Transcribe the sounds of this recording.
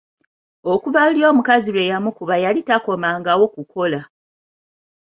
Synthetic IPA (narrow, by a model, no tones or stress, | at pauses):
o̞kuvaluljo̞ːmukazilwe̞jamukuβajalitako̞maːŋɡawo̞kuko̞la